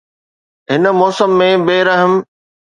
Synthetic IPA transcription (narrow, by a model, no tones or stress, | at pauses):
ɦɪnə̆mɔːsəmːẽbeːɾɐɦəm